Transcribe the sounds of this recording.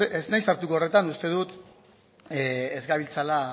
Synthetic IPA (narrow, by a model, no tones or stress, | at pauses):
eznajsaɾt̪ukoore̞t̪anust̪e̞ð̞ut̪ | eezɡaβilt͡sala